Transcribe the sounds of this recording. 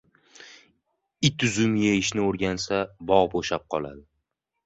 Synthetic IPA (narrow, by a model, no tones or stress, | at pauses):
ɪt̪ʰʊzʊmjeɪʃnɪoɾɡʲansabɒʁboʃap̚qʰɒlˠa̰d̪ɪ